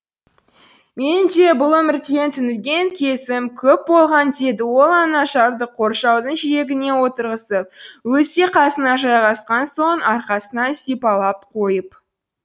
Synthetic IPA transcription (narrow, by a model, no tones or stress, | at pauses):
me̞nɪnd̪e̞bʊlˠɵmɪɾd̪e̞nt̪ʰʏnɪlɡʲe̞ŋkʲʰe̞sɪmkʲʰɵp̚bo̞lˠʁɑnd̪e̞d̪ɪwo̞lˠɑnɑʃɑɾd̪əqʰːo̞ɾʃɑwd̪əɴʒije̞ɡʲɪne̞wo̞t̪əɾʁəsəp̚wɵseqʰɑsənɑʒɑjʁɑsqɑnso̞ɴɑɾqɑsənɑsipɑlˠɑp̚qʰo̞jəp